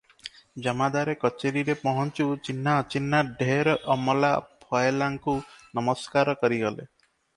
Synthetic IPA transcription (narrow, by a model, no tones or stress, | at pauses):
d͡ʒɔmad̪aɾekɔt͡ʃeɾiɾepɔɦɔnt͡ʃut͡ʃinːat͡ʃinːaɖʱeɾɔʔɔmɔlapʰɔelaŋkunɔmɔskaɾɔkɔɾiɡɔlḛ